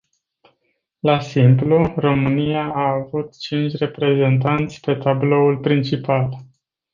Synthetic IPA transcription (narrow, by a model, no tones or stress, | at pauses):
lasimpluro̞mɨniaːvut̪t͡ʃint͡ʃʲre̞pɾe̞ze̞nt̪ant̪sʲpe̞t̪ablo̞ulpɾint͡ʃipal